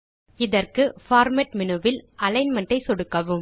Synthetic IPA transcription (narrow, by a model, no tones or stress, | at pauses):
ɪðɐrkɯfaːɾmɐʈ̚mɪnɯʋɪlʔɐlɐɪnmɐɳʈɐɪsɔɽɯkːɐʋɯm